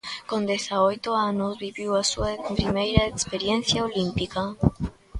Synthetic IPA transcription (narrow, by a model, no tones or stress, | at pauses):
kõnd̪eθaojt̪oanozβiβiwasuaepɾimejɾaekspeɾjen̟θjaolimpika